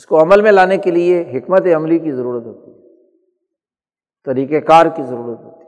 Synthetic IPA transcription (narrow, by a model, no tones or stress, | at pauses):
ɪskoɐməlmẽlaːnekelieɦɪkmət̪eɐmlik̬izɐɾuːɾət̪ɦoːt̪i̥ | t̪ɐɾiːkekaːɾkizɐɾuːɾət̪ɦoːt̪i